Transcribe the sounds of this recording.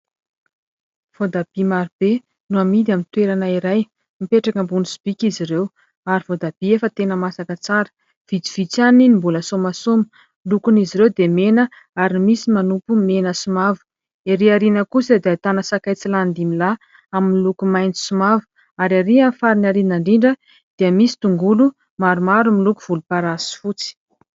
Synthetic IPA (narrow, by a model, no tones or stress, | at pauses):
v̥od̪ab̥imaɾib̥e | nuamid̪iamint̪weɾanaiɾaj | mipeʈ͡ʂakəmbunusu̥b̥ikiziɾew | aɾivod̪ab̥iefət̪enəmasakət͡saɾə̥ | v̥id͡z̪i̥v̥it͡saninimbuləsomasomi̥ | lukuniziɾewd̪emenə | aɾimisimanupumenəsumavu̥ | eɾiaɾinəkusəd̪eat̪anəsakajt͡siland̪imila | aminlukumajni̥sumavu̥ | aɾaɾiafaɾinaɾinaɳɖ͡ʐiɳɖ͡ʐə | d̪̥eəmisi̥t̪uŋɡulu | maɾumaɾumilukuv̥ulupaɾasi̥fut͡si̥